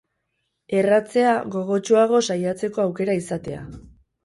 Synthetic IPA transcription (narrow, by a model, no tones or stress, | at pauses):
e̞rat͡se̞aɣo̞ɣo̞t͡ʃuaɣ̞o̞sajat͡se̞ko̞awke̞ɾaisat̪e̞a̰